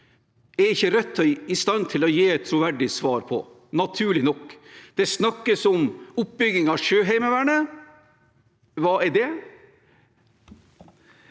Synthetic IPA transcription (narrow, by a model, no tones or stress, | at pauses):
ɛɾɪçːəɾɛt̪ʰːɔɪst̪ɑnːt̪ʰɪlɔjeːɛt̪ʰːɾʊʋæɖɪsʋɑːɾpʰɔ̰ | nɑt̪ʰʉːɭɪnɔkːd̪̥ɛsnɑkːəsɔmʊp̚bʏɡɪŋɑʂøːɦæɪməʋæɳə | ʋɑːɛɖɛ